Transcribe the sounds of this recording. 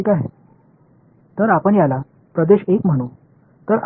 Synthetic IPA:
ikaɦe | t̪əɾapəɳjala | pɾəd̪eɕekm̤əɽ̃u | t̪əɾ

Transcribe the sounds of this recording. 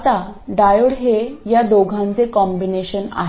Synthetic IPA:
t̪aɖajoɽɦejad̪oɡʱãnt͡sekɔ̃mbineɕəna̰ɦ

